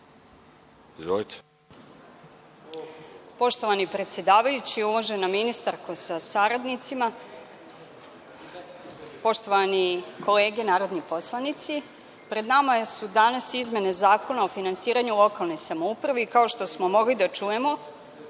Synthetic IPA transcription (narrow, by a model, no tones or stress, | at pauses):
izʋolit̪e̥ | po̞ʃt̪o̞ʋanipɾe̞t̪sje̞d̪aːʋajut͡ɕiuʋoʒenaminist̪aɾkosasaɾad̪nit̪sima | po̞ʃt̪o̞ʋanikʰo̞le̞ːɡenaːɾo̞d̪nipo̞slˠanit̪si | pɾe̞d̪namasud̪anasizme̞nezaːko̞naofinansiːɾaɲulˠo̞kalˠno̞jsamoupɾaʋekao̞ʃt̪o̞smo̞mo̞ɡlid̪at͡ʃuje̞mo̞